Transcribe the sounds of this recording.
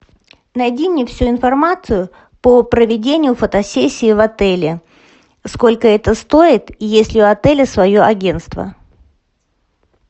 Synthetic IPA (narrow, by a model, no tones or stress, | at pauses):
nɐjdʲinʲɪfsʲuɪnfɐrmat̪sɨjʊ | pəpɾəvʲɪdʲenʲɪjʊfət̪ɐsʲesʲːɪːvɐt̪ɛlʲɪ | sko̞lʲkəɛt̪əst̪oɪt̪jesʲlʲɪʊɐt̪ɛlʲɪsvɐjoʔɐɡʲe̞nt̪st̪və̰